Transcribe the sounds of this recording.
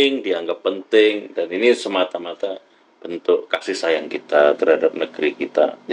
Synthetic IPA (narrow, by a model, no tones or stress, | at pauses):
ɪŋdiaŋɡapːənt̪ɪŋdaninisəmat̪amat̪a | b̥ənt̪ʊʔkasɪhsajaŋkit̪at̪ərhadap̚nəɡ̥ɾikit̪a̰d͡ʒ